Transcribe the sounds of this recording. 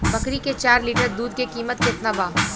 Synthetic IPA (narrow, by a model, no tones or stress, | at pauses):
bɐkɾiket͡ʃaːɾliːʈəɾd̪uːd̪̚kekiːmət̪kɪt̪nabaː